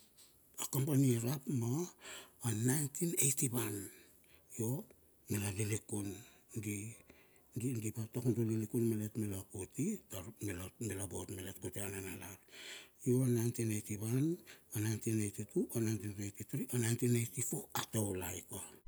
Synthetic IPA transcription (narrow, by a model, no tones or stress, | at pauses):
akampaniaɾapmaː | najntʰinejtiβan | jo̞ | melalilikun | ɡi | ɡiɡipatakundolilikunmeletmelakotitamelomelabotmeletkuteananalaɾjoanajntinejtiβananajntinejtituonajntinajtitɾiʔonajntinejtifo̞atowlajkoa